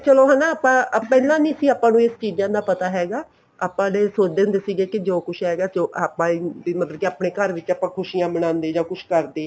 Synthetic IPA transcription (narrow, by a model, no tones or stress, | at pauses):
t͡ʃəloːɦɛːnaːpãːpɛːlãːniːsiːaːpãːnũːest͡ʃiːd͡ʒãːd̪aːpət̪aːɦɛːɡaː | aːpãːleːsoːt͡ʃd̪eːnd̪eːsiːɡeːkɪd͡ʒoːkʊʃʰɦɛːɡaːoːʔaːpãːiimət̪ləbkeaːpneːkəɾʋɪt͡ʃaːpãːkʰʊʃiːjãːmənãːnd̪eːd͡ʒaːkʊʃʰkəɾd̪eː